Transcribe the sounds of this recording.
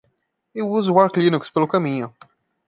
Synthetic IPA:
ewuzʊwaɾklinukspelʊkamĩɲʊ

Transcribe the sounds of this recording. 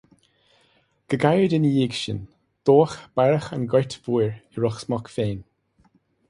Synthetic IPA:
ɡ̥əɡajɹdɪnəjiːɡʃə̰n | d̪̥oːxb̥aɹəxanɡɛtv̥ujɹɪɹɔxsmɔkfeːn

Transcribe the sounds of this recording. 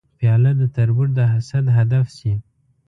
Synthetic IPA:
fijɑlad̪ət̪aɾbuɾd̪əɦasad̪ɦad̪afsi

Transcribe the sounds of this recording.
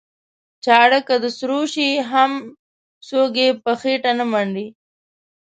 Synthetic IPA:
t͡ʃɑɽəkad̪əsɾoʃiɦam | soɡepəxeʈanəmaɳɖi

